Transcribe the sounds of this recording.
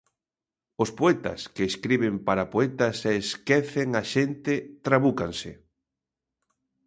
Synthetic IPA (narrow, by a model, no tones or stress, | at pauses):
ospoɛt̪ɐ̰skeːskɾiβempaɾapoɛt̪aseːskeθeŋaʃent̪ɪt̪ɾaβukaŋsɪ̰